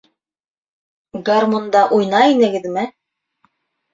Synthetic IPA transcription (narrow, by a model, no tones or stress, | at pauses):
ɡarmond̪ɑʔujnɑinɘ̆ɡɘ̆ðmɘ